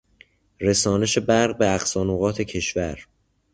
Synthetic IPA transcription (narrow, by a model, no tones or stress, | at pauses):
ɾe̞sɒːne̞ʃe̞bæɾʁbeæxsɒːnoːɣɒːt̪ʰe̞cʰe̞ʃvæɾ